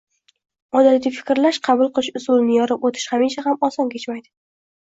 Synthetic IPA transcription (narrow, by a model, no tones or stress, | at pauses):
ɒd̪alɪɡʲɪfɪ̥kʲɾlaʃqʰɑbʊlˠqʰɨlɪʃʊzʊlˠnɪjɒɾɪpot̪ʰɪ̥ʃhamɪnt͡ʃʰahamɒsɒnkʲe̞t͡ʃmajd̪ɪ